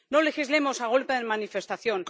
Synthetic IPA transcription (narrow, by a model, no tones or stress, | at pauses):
no̞le̞xizle̞mo̞saɣ̞o̞lpeðemanife̞st̪aθjon